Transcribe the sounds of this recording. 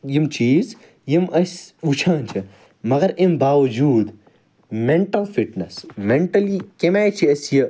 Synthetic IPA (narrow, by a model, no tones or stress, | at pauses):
jimt͡ʃiːz | jimɐsʲut͡ʃʰãːnt͡ʃʰi | mɐɡɐɾimbaːʋɐd͡ʒuːd̪ | meɳʈɐlfiʈnɐsmeɳʈɐlikemaːjt͡ʃʰiɐsjɐ